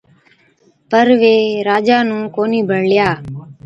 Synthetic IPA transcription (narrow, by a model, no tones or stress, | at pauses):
pəɾʋeːɾaːd͡ʒaːnũːkoːniːbʱəɽlɪjaː